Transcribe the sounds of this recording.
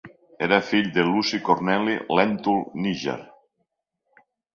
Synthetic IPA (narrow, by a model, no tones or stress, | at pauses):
eɾafiʎd̪elusikoɾnɛlilɛnt̪ulniʒḛɾ